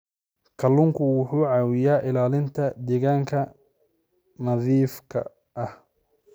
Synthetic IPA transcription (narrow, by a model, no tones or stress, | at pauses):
kʰɐlʊŋkʰʊwʊħuːʕɑːwɪjaːʔɪlaːlɪnt̪ʰɐd̪ɛɣaːŋkʰɐ | nɐðiːfkʰɐ̰ | ʔɐh